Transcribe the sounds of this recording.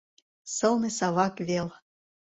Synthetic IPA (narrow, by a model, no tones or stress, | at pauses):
sɤ̆lˠnĕsɑβɑkβʲel